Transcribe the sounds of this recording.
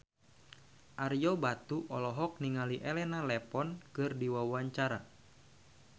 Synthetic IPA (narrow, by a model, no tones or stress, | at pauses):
ʔarjɔbat̪uʔɔlɔɦɔk̚niŋaliʔɛlɛnalɛpɔnkɨrdiwawaɲt͡ʃaɾa